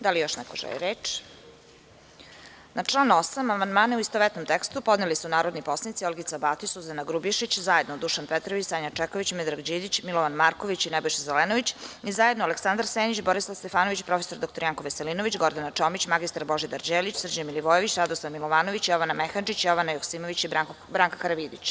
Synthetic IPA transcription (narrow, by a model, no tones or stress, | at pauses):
d̪alijo̞ʃnɛ̰koʒɛ̰lḭɾeːt͡ʂ | nat͡ʂlˠaːnuosamamand̪maːneuist̪oʋet̪nomt̪ekst̪upo̞d̪nelisunaːɾo̞d̪nipo̞snit̪siolɡit̪abaːt̪isuzanaɡɾubiʃit͡ɕzajed̪nod̪uʃanpɛt̪ɾoʋit͡ɕsaɲat͡ʂɛkoʋit͡ɕmɛd̪ɾaɡd͡ʑiːd̪it͡ɕmilˠoʋanmaːɾkoʋit͡ɕinɛbo̞jʃezeleːnoʋit͡ɕizajed̪noaleksand̪ɾaɾseːnit͡ɕboɾislˠaʋst̪efaːno̞ʋit͡ɕpɾo̞feso̞ɾd̪okt̪oɾijaŋkoʋeselinoʋit͡ɕɡo̞ɾd̪anat͡ʂomit͡ɕmaɡist̪aɾbo̞ʒid̪aɾd͡ʑeːlit͡ɕsr̩d͡ʑamiliʋoːjeʋit͡ɕɾad̪oslˠaʋmilˠoʋaːnoʋit͡ɕjoʋanamexand͡ʒit͡ɕjo̞ʋanajoksiːmoʋit͡ɕi | bɾaːŋkaxaɾaʋiːd̪it͡ɕ